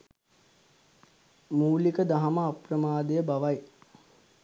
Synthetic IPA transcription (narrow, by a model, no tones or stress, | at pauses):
muːlikəd̪aɦaməaprəmaːd̪əjəbaʋaj